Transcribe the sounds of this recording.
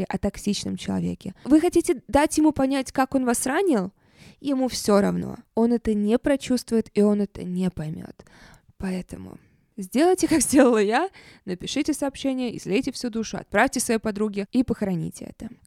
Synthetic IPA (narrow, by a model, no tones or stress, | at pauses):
ɪʔɐt̪ɐksʲit͡ɕnəmt͡ɕɪlˠɐ̰vʲekʲɪvɨxɐtʲitʲɪd̪atʲjɪmupɐnʲætʲkako̞nvasranʲɪlˠ | jɪmufsʲoɾɐ̰vno̞̰o̞nɛt̪ənʲɪpɾɐt͡ɕust̪vʊjɪt̪io̞nɛt̪ə̰nʲɪpɐjmʲo̰t̪ | pɐɛt̪əmʊ̰ | zʲdʲe̞lˠəjtʲɪkakzʲdʲe̞lˠəlˠəjanəpʲɪʂɨtʲɪsɐːpɕːenʲɪjəɪ̰zlʲetʲɪfsʲud̪uʂʊɐ̰t̪̚pɾafʲtʲɪsvɐjejpɐd̪ɾuɡʲɪipəxəɾɐnʲḭtʲɪɛ̰t̪ə